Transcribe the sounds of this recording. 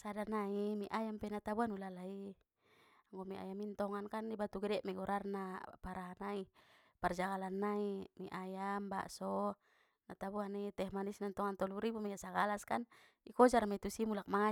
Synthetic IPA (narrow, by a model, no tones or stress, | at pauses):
sadanaimiʔajampɛnat̪abuanulalai | aŋɡɔmiʔa̰jamint̪ɔŋankanibat̪uɡɛdɛʔmɛɡɔɾʔarnapaɾaɦanai | pard͡ʒaɡalanːaimiʔajamba̰ʔsɔ | nat̪abuanit̪ɛhmanisnant̪ɔŋant̪ɔluɾibumɛɡasaɡalaskan | ikɔd͡ʒarmɛt̪usimulak̚maŋa